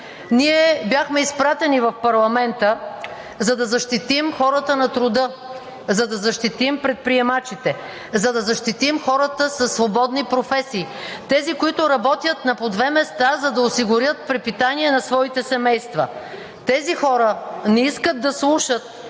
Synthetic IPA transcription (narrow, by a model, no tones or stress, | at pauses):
niɛbʲjaxmɛispɾat̪ɛnivɐfpɐɾlˠɐmɛnt̪ə | zɐd̪ɐzɐʃt̪it̪imxɔɾət̪ənɐt̪ɾʊd̪ɤ | zɐd̪ɐzɐʃt̪it̪impɾɛt̪̚pɾiɛmat͡ʃit̪ɛ | zɐd̪ɐzɐʃt̪it̪imxɔɾət̪əsɐsːvobɔd̪nipɾofɛsiːt̪ɛzikoit̪ʊɾɐbɔt̪ʲjət̪nɐpod̪vɛmɛst̪azɐd̪ɐosiɡʊɾjət̪̚pɾɛpit̪aniɛnɐsvɔit̪ɛsɛmɛjst̪vɐ | t̪ɛzixɔɾənɛiskəd̪̚d̪ːɐslˠuʃət̪̚